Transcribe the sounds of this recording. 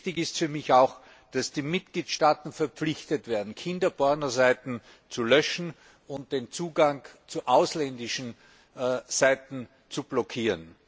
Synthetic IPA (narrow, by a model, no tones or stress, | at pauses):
tɪçɪstfyːɐmɪçaʊx | d̥asd̥iːmɪt̚ɡ̥liːtʃtaːtn̩fɛɐp͡flɪçtətv̥eːɐdn̩kʰɪndɐbɔɐnɐzaɪtn̩ | t͡sulœʃn̩ | ʊnt̚d̥eːnt͡suːɡaŋt͡suʔaʊslɛndɪʃn̩ | z̥aɪtn̩ | t͡sublɔkʰiːʁən